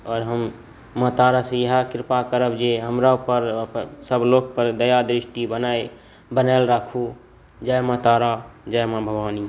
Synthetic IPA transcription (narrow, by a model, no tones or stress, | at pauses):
ɔːɾɦəm | mət̪aːɾasẽjəɦakɪɾpakəɾəbd͡ʒeɦəmɾaupəɾsəbloːk̚pəɾd̪əjad̪ɾɪʃʈibənae | bənɛlɾakʰu | d͡ʒajmət̪aːɾad͡ʒəjmãbʱəɡʋaːni